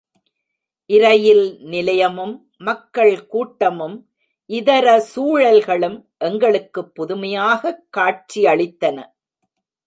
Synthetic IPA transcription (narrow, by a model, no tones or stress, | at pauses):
ʔɪɾɐjɪlnɪlɐjɐmɯmː | ɐkːɐɭkuːʈːɐmɯm | ʔɪðɐɾɐsuːɻɐlɣɐɭɯmʔɛŋɡɐɭɯkːɯpːʊðʊmɐjaːɣɐkːaːʈ̚t͡ʃiɐɭɪt̪ːɐnɐ̰